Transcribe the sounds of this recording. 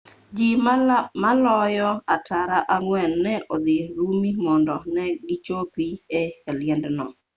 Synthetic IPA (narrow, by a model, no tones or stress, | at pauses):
d͡ʒimalɔjɔatʰaɾaʔaŋwɛnːɛʔod̪ɪɾumimɔndɔnɛɡɪt͡ʃopieɛlɪjɛndnɔ̰